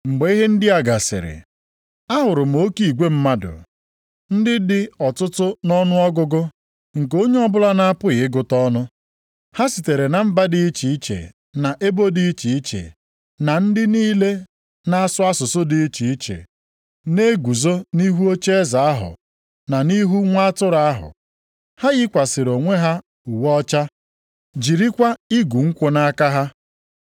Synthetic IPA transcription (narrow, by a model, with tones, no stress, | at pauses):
ŋ͡m̩˨ɡ͡be˨˦i˦ɦe˦n̩˦dɪ˦a˨ɡa˨sɪ̰˨ɾɪ̰˨ | a˦ɦʊ˨ɾʊ˨m̩˨o˦ki˨ɡʷe˦m̩˦ma˦dʊ̰˨ | n̩˦dɪ˦dɪ˦ɔ˨tʊ˦tʊ˦nɔ˦nʊ˦ɔ˦ɡʊ˦ɡʊ˦ | ŋ̩˨k̬o˦ɲe˦ɔ˦bʊ˦la˦na˦a˦pʊ˦ɣɪ˨˦ɡʊ˨tɔ˦nʊ˦ | ha˦si˨te˨ɾe˨na˨m̩˦ba˦dɪ˦i˦t͡ʃi˨i˦t͡ʃḛ˨ | na˨ʔe˦bo˦di˦i˦t͡ʃi˨i˦t͡ʃḛ˨ | na˨n̩˦dɪ˦niː˦le˦ | na˦a˦sʊ˦a˦sʊ˨sʊ˦dɪ˨i˦t͡ʃi˨i˦t͡ʃḛ˨ | ne˦ɡʷu˨zo˦ni˦ɦu˦o˦t͡ʃe˦e˦za˨a˦ɦʊ̰˨ | na˨ni˦ɦu˦ŋʷa˦a˦tʊ˦ɾa˦a˦ɦʊ̰˨ | ha˦ɣɪ˦kʷa˨sɪ˨ɾo˨ŋʷe˦ɦa˦ | u˨wɔɔ˦t͡ʃa˦ | d͡ʒi˨ɾi˦kʷa˦i˦ɡu˨ŋ̩˦kʷo˨na˦ka˦ɦa˦